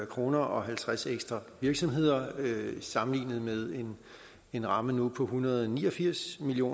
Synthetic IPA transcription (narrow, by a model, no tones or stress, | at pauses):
kʰʁo̝ːnɐʔɒ̽ɦælt͡sʰʁaseɡ̥sd̥ʁɑ̈ʋiɐɡ̥sɒ̽mɦe̝ð̞̰ˠɐøsɑ̈mn̩lḭːnð̩ˠmeðˠe̝n | e̝nʁɑ̈mənupʰɒ̽ɦunɐð̞̩ˠɒnḭːɒ̽fiɐ̰smiljo̝̰ː